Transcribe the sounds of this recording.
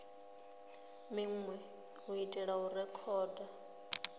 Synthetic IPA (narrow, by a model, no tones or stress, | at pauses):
miŋwɛ | uitʼɛɺaurɛkʰɔːda